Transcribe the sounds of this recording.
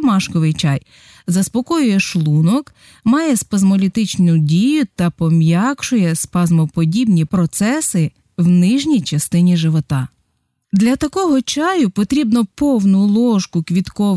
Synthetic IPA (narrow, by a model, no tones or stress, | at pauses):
mɑʃkɔʋɪjt͡ʃɑj | zɐspɔkɔjʊjɛʃlˠunɔk | mɑjɛspɐzmɔlʲit̪ɪt͡ʃnʊdʲijʊt̪ɐpɔmjɑkʃʊjɛspɐzmɔpɔdʲibnʲipɾɔt̪sɛsɪ | wnɪʒnʲijt͡ʃɐst̪ɪnʲiʒɪʋɔt̪ɑ | d̪lʲɐt̪ɐkɔɦɔt͡ʃɑjʊpɔt̪ɾʲibnɔpɔwnʊlˠɔʃkʊkʋʲit̪kɔ